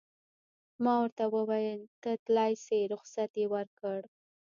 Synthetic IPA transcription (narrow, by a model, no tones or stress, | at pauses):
mɑwəɾt̪awəwajənt̪ət̪lɑjseɾʊxsat̪jewəɾkəɽ